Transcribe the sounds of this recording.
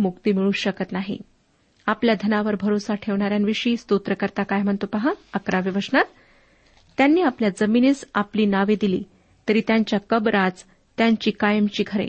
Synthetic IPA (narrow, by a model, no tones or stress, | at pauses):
mukt̪iːmiɭuːɕəkət̪naɦḭ | apljad̪ʱənaʋəɾbʱəɾosaʈʰeʋɳaɾjanʋiʂiːst̪ut̪ɾəkəɾt̪akajm̤əɳt̪opaɦaəkɾaʋiʋəʂɳat̪ː | janːiːapljad͡zəminiːt͡sapliːnaʋed̪ilḭː | t̪əɾiːt̪jaɲt͡ɕjakəbɾad͡z | t̪jaɲt͡ɕiːkajəmt͡ɕiːɡʰʱəɾḛ